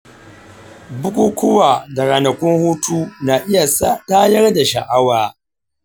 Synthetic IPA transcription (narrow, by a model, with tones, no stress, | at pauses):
bʊ˦kʷu˦kʷʊ˦waː˨da˨ɾaː˨nɐ˨kʷʊ˦ŋhuː˦tʰuː˦naː˨ʔɪ˦ja˨sa˦taː˦jɐ˦rda˨ʃa˨ʔa˦waː˨